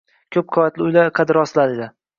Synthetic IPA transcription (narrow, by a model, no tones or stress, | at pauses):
kʲʰɵp̚qʰovat̪lɪʊjlaqʰɑd̪ɪɾɒslad̪ed̪ɪ